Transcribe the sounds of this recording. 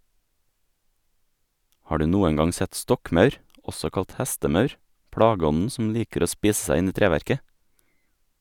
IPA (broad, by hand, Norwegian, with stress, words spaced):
ˈhɑː ˈɖʉː ˈnuːəŋ ˈɡɑŋ ˈsɛt ˈstɔkˌmœʉɾ ˈɔsɔ ˈkɑlt ˈhæstəˌmœʉɾ ˈpɽɑːɡəˌɔnn̩ sm̩ ˈliːkəɾ ˈoː ˈspiːs ˈsæɪ ˈɪn ˈiː ˈtɾeːʋæɾkə